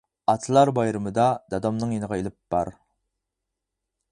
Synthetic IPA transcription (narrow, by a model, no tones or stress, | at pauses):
ɑt̪ʰɨlˠɑɾbɑjɾɨmɨd̪ɑd̪ɑd̪ɑmnɨŋjenəʁɑelɪp̚b̥ɑɾ